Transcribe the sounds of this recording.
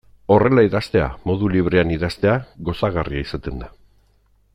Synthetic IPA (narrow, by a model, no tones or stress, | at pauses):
o̞re̞laiðast̪e̞a̰mo̞ðuliβ̞ɾe̞aniðast̪e̞aɣo̞saɣariaisat̪e̞nd̪a